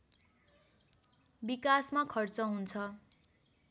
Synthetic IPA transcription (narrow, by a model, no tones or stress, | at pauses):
bikasmakʰʌrt͡sʌɦunt͡sʰʌ